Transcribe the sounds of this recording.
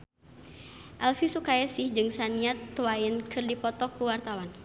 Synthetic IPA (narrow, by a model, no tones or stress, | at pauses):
ʔalfisukajasɪhd͡ʒɨŋsaniat̪ːwainkʰɨrdipɔt̪ɔkuwart̪awan